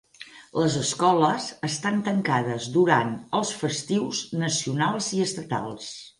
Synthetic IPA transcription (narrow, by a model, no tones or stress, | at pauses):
ləzəskɔləzəst̪ant̪əŋkaðəzd̪uɾanəlˠsfəst̪iwznəsiunalˠziəst̪ət̪a̰lˠs